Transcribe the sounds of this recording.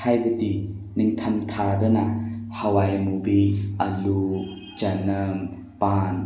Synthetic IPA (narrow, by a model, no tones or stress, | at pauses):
ajbədi | niŋt̪ʰɐmt̪ʰadɔnahɐwajmubiɐlu | t͡ʃanɐm | pan